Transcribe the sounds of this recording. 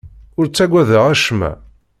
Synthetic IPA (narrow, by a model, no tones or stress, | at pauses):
ʊɾt͡sːæɡʷæðəʁæʃmæ̰